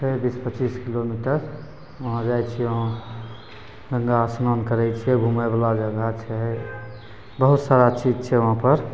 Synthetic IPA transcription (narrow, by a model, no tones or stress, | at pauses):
pʰebispət͡ʃiːskilomiʈəɾ | ʋəɦãd͡ʒajt͡ʃʰiɛʋɦã | ɡəŋɡasnonkəɾɛt͡ʃʰiɛɡʱumajbalad͡ʒəɡat͡ʃʰɛ | bəɦut̪saɾat͡ʃid͡ʒt͡ʃʰɛʋəɦãpəɾ